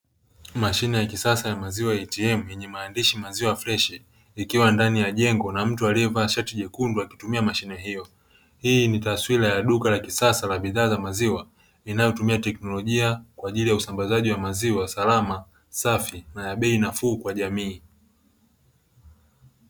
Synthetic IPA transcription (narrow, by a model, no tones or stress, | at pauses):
maʃinɛjakisasajamaziwajɛtiɛmujɛɲɛmaːndiʃimaziwaflɛʃɛ | ikiwandanijaʄɛŋɡɔnam̩tualiɛvaʃatiʄɛkunduakitumiamaʃinɛɦijɔ | hiːnitaswilajaɗukalakisasalaɓiðaːzamaziwa | inajɔtumiatɛknɔlɔʄiakwaːʄilijausambazaʄiwamaziwasalama | safinajaɓɛinafuːkwaʄamiː